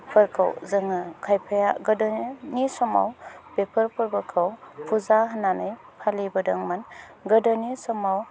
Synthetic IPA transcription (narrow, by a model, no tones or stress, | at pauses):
pʰɯɾkʰa̰wzɯŋɯkʰajpʰajaɡɯdɔnisɔma̰wbepʰɯɾpʰɯɾbəkʰawpʰuzaɦananɯj | pʰalibɯdɯŋmanɡɯdɔnisɔmaw